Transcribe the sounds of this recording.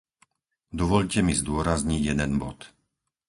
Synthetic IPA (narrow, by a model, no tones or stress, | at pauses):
d̪ɔʋɔʎcɛmizd̪ʊɔɾazɲiɟjɛd̪ɛnbɔt̪